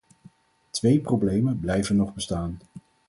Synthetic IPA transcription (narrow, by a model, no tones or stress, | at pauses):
tʋejprowblejmənblɛjvənːɔχbəstaːn